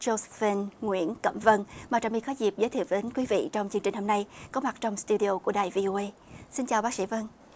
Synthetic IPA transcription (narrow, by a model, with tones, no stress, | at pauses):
zo˧zfe˧nŋwḭ˧˥ənkə̰˧˩mvə˧nmaː˨˩t͡ɕaː˧˩mɓḭ˧˨xɔ˨˦jzi˨˩p̚zəː˨˦t̪ʰi˧˨˩əwɗe˨˦nkwi˨˦vḭ˧˨t͡ɕɔ˧wŋ͡mt͡ɕɨ˧ŋt͡ɕi˨˩ŋ̟ho˧mna˧jkɔ˨˦ma˨˩t̚t͡ɕɔ˧wŋ͡mst̪u˧ɗi˧o˧ku˧˩əɗaː˨˩jvi˧ʔo˧ʔə˧j | si˧nt͡ɕaː˨˩wɓaː˦˥k̚sḭ˧˥və˧n